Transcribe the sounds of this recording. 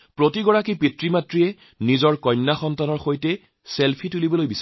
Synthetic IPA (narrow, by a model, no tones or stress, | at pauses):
pɹotiɡɔɹakipitɹimatɹijɛ | nizɔɹkɔjnːaxɔntanɔɹxojtɛ | selpʰitulibɔlojbisa